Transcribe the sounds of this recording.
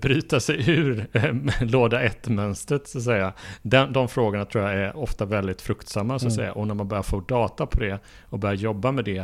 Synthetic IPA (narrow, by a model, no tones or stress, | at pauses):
bɾyːt̪asɛjʉ̟ːɾ | loːd̪aʔɛt̪ːmœnst̪ɾət̪sat̪s̬ɛjːad̪ɛnd̪ɔmfɾoːɡʊɳat̪ʰɾuːjaæɾɔft̪avɛld̪ɪt̪fɾɵkt̪samːasɔat̪sɛ̰jːa̰ʔɔnæɾmanbœɾjaɾfoːd̪ɑːt̪apʰɔd̪ɛ | ɔbœɾjaɾjɔbːamɛd̪ɛ